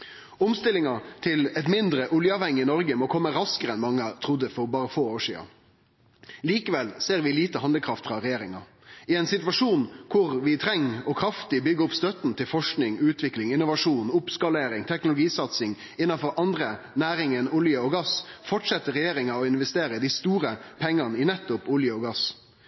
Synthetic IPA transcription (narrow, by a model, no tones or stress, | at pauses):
ʊmst̪ɪlɪŋɑt̪ʰɪlɛt̪mɪnd̪ɾəʔʊljəɑːʋhɛŋːɪɪnɔɾɡəmɔkʰɔmːəɾɑskəɾəɛnmɑŋːət̪ʰʁʊd̪ːəfɔɾbɑːɾəfoːoːʂḭːɑ̰ | liːkəʋɛlseːɾʋɪliːt̪əhɑnd̪əkʰɾɑft̪fɾɑɾɛjeːɾɪŋɑ̰ | ɪɛɪnsɪt̪ʋɑʂuːnkʰʊʁʋɪt̪ʰɾɛŋːɔkʰɾɑft̪ɪbʏɡəʊpst̪œt̪nt̪ʰɪlfɔʂknɪŋʉːt̪ʰʋɪklɪŋɪnʊʋɑʂuːnʊpskɑleːɾɪŋt̪ʰɛknʊlʊɡiːsɑt̪sɪŋ | ɪnːɑfɔɾʔɑnd̪ɾə | næːɾɪŋənʊljəɔɡɑsfɔʈʂɛt̪ːəɾɛjeːɾɪŋɑɔɪnʋɛst̪eːɾəɪd̪ɪst̪uːɾəpʰɛŋːɑnəɪnɛt̪ːʊpʊljəɔɡɑs